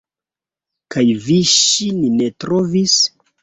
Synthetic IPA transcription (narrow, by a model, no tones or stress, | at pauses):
kajviʃininetɾo̞vis